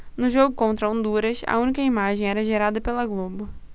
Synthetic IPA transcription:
nʊʒoɡʊkõnt̪ɾɐõnd̪uɾɐsɐ̰ũnikɐimaʒẽj̃ɛɾɐʒeɾad̪ɐpelɐɡlobʊ

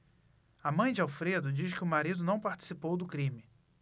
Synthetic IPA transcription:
amɐ̃j̃d͡ʒɪawfɾed̪ʊd͡ʒiʃkɪʊmaɾid̪ʊnɐ̃w̃paɾt͡ʃi̥sipowd̪ʊkɾĩmɪ

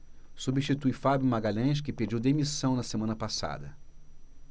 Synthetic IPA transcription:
subiʃt͡ʃit̪ujfabjumaɡaʎɐ̃jʃ̬kɪped͡ʒiwd̪emisɐ̃w̃nɐsemɐ̃nɐpasa̰d̪ɐ

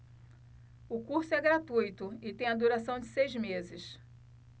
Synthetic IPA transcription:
ʊkuɾsʊɛɡɾat̪ujt̪ʊɪt̪ẽj̃ad̪uɾasɐ̃w̃d͡ʒɪsejzmezɪs

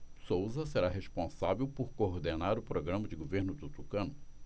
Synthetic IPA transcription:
sowzɐseɾaɦeʃpõsavewpoɾkoːɾd̪enaɾʊpɾoɡɾɐ̃mɐd͡ʒɪɡoveɾnʊt̪ut̪ukɐ̃nʊ

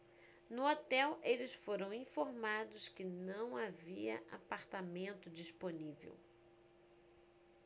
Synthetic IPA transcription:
nʊot̪ɛwʔelɪsfoɾɐ̃w̃ĩfoɾmad̪ʊskɪnɐ̃w̃aviɐ̰ʔa̰paɾt̪amẽnt̪ʊd͡ʒisponivḛw

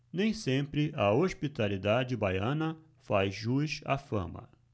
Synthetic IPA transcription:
nẽj̃sẽmpɾɪʔɐoʃpit̪alid̪ad͡ʒɪbajɐ̃nɐ | fajʒuʃa̰fɐ̰̃mɐ̰

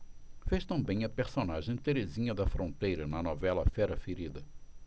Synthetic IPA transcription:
feʃt̪ɐ̃mbẽj̃ɐpeɾsonaʒẽj̃t̪eɾezĩɲɐd̪ɐfɾõnt̪ejɾɐnɐnɔvɛlɐfɛɾɐfeɾid̪ɐ

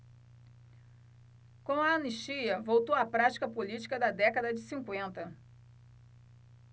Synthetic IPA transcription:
kõw̃ɐːniʃt͡ʃiɐvowt̪owɐpɾat͡ʃi̥kɐpolit͡ʃi̥kɐd̪ɐd̪ɛkɐd̪ɐd͡ʒɪsĩŋkwẽnt̪ɐ

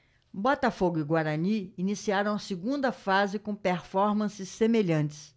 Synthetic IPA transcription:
bɔt̪ɐfoɡʊiɡwaɾɐniinisiaɾɐ̃w̃ɐsiɡũnd̪ɐfazɪkõpeɾfɔɾmɐ̃sɪsːemeʎɐ̃t͡ʃɪ̥s

